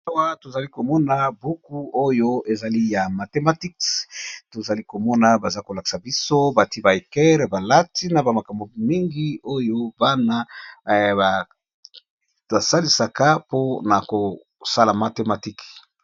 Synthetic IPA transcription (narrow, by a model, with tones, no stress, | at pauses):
a˦wa˦to˨za˨li˦ko˨mɔ˦na˦bu˦ku˦o˦jo˦e˨za˨li˦ja˨ma˨te˨˦ma˦˨ti˦kto˨za˨li˦ko˨mɔ˦na˨ba˨za˦ko˨la˨ki̥˨sa˨bi˦so˦ba˨ti˦ba˨e˨kɛ˦ʁba˨la˦ti˦na˨ba˨ma˨ka˨mbo˨mi˦ŋɡi˦o˦jo˦ba˦na˦ | ba˨ | ba˨sa˦li˨sa˨ka˦po˦na˨ko˨ | sa˦la˨ma˨te˨ma˨ti˦k